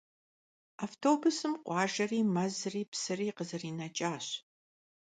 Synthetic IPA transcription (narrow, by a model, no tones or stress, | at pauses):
aːftʰoːbʊsɨmqʷɑːʒɐriːmɐzriːpsɨriːqəzɨriːnɐt͡ʃʼaːɕ